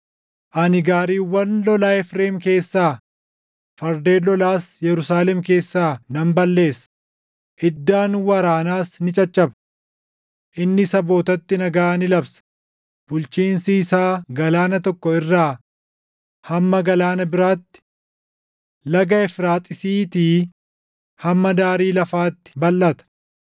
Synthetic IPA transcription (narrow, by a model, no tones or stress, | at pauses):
ʔɐnɪɡaːɾiːwːɐnlɔlaːɛfɾeːmke̞ːsːaː | fɐɾd̪e̞ːlɔlaːsjɛɾʊsaːlɛmke̞ːsːaːnɐmbɐlːe̞ːsɐ̥ | ʔɪd̪ːaːnwɐɾaːnaːsnɪt͡ʃʼɐt͡ʃʼːɐbɐ̥ | ʔɪnːɪsɐbo̞ːt̪ɐt̪ːɪnɐɡaːnɪlɐbsɐ̥ | b̥ʊlt͡ʃiːnsiːsaːɡɐlaːnɐt̪ɔkːɔɪrːaː | hɐmːɐɡɐlaːnɐbɪɾaːt̪ːɪ̥ | lɐɡɐɛfɾaːt̪ʼɪsiːt̪iː | hɐmːɐd̪aːɾiːlɐfaːt̪ːɪ̥bɐlʔːɐt̪ɐ̥